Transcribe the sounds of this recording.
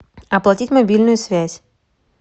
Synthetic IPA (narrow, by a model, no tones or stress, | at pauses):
ɐplˠɐtʲitʲmɐbʲilʲnʊjʊsvʲæsʲ